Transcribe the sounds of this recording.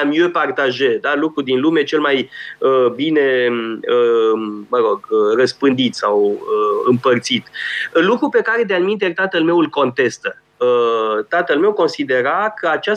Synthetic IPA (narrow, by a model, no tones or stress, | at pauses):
mjepart̪aʒed̪alukɾud̪inlume̞t͡ʃe̞lmajəbine̞əməɾo̞ɡərəspɨnd̪it̪sawəɨ̰mpərt̪sit̪lukɾupe̞kaɾe̞d̪eanmint̪et̪at̪əlme̞wɨlko̞nt̪e̞st̪ə | ət̪at̪əlme̞wko̞nsid̪e̞ɾakəat͡ʃa